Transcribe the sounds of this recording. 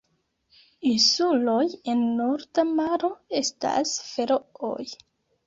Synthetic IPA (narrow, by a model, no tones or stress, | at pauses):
insulo̞je̞nːoɾdamaɾo̞e̞sta̰sfe̞ɾooj